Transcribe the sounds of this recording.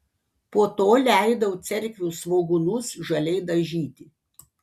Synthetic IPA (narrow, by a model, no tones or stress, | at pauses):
puɔt̪oːlʲæˑɪd̪ɐʋʊt̪sʲɛɾʲkʲʋʲuːsʋoːɡʊnʊsʒɐlʲɛɪd̪ɐʒʲiːt̪ʲɪ